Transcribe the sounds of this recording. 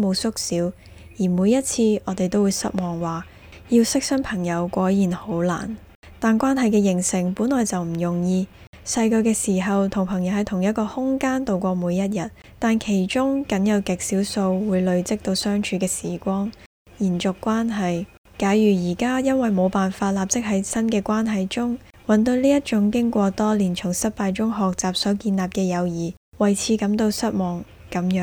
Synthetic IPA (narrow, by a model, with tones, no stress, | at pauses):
mo˨˧wsʊ˥k̚siː˨˥w | jiː˨˩muː˨˧jɐ˥t̚t͡sʰiː˧ʔɔː˨˧t̪e˨jt̪o˥wuː˨˧jsɐ̰˥t̚mɔː˨˩ŋwaː˨ | ji˧wsɪ˥k̚sɐ˥ŋpʰɐ˨˩ŋjɐ˨˧wkʷɔː˨˥jjiː˨˩nho˨˥wla̰ː˨˩n | t̪aː˨nkʷaː˥nɦɐ˨jkɛː˧jɪ˨˩ŋsɪ˨˩ŋpuː˨˥nlɔː˨jt͡sɐ˨wm̩˨˩jʊ˨˩ŋjiː˧ | sɐ˧jkɵː˧kɛː˧siː˨˩ɦɐ˨wt̪ʰʊ˨˩ŋpʰɐ˨˩ŋjɐ˨whɐ˨˧jt̪ʰʊ˨˩ŋjɐ˥t̚kɔː˧hʊ˥ŋkaː˥nt̪o˨wkʷɔː˧muː˨˧jɐ˥t̚jɐ˨t̪̚ | t̪aː˨˧nkʰe˨˩jt͡ʃʊ˥ŋkɐ˨˥njɐ˨˧wkɪ˨k̚siː˨˥wso˧wwuː˨˧jlɵ˨˧ɥt͡sɪ˥k̚t̪o˧wsœː˥ŋt͡ʃʰyː˧kɛː˧sḭː˨˩kʷɔː˥ŋ | jiː˨˩nt͡sʊ˨kʷːwaː˥nɦɐ˨j | kaː˨˥jɥyː˨˩jiː˨˩kaː˥jɐ˥nwɐ˨jmo˨˧wpaː˨nfaː˧t̚laː˨p̚t͡sɪ˥k̚ɦɐ˨˥jsɐ˥nkɛː˧kʷaː˥nɦɐ˨jt͡ʃʊ˥ŋ | wɐ˨nt̪o˧wliː˥jɐ˥t̚t͡ʃʊ˨˥ŋkɪ˥ŋkʷɔː˧t̪ɔː˥liː˨˩nt͡sʰʊ˨˩ŋsɐ˥t̚paː˧jt͡sʊ˥ŋɦɔː˨k̚t͡saː˨˩p̚sɔː˨˥kiː˧nlaː˨p̚kɛː˧jɐ˨˧wjiː˨˩ | wɐ˨jt͡sʰiː˨˧kɐ˨˧˥mt̪o˧wsɐ˥t̚mɔː˨˩ŋ | kɐ˨˥mjœː˨˥ŋ